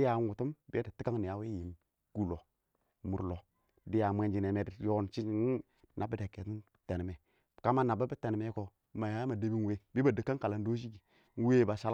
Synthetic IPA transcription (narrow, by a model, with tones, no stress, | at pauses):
ja˨˦ŋwu˨tu˦mbe˦di˨ti˦ka˦ŋni˨ja˨˦we˦ji˨m | ɡ̥u˦˨lo˨ | mu˨ɾlo˨ | di˦ja˨mʷe˦nd͡ʒi˨ne˨me˨di˨jo˦n˨t͡ʃi˦ | na˨bi˦de˨kːe˨ti˦n | te˨n˨me˨ | ka˦ma˦na˨ba˦bi˦te˨n˨me˦ko˨ | ma˨ja˦ma˨de˦bi˦n˨we˦˨bi˦ba˨də˨kːa˦ŋka˨la˨n˦do˦ʃi˦ɡi˨ | n˦we˦˨ba˨ʃa˦l